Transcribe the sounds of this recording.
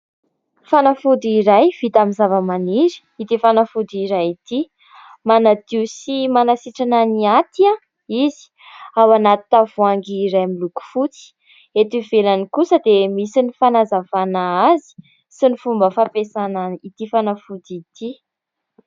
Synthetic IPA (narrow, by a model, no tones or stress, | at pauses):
fanafud̪iiɾajv̥it̪amizavəmaniɾi̥ | it̪ifanafud̪iɾajit̪i | manat̪iwsimanasiʈ͡ʂananiat̪iã | izi̥ | awanat̪it̪avuaŋɡiːɾajmiluku̥fut͡si̥ | et̪ivelanikusəd̪emisinifanazavanaazi̥ | sinifumbəfapesanait̪ifanafud̪it̪i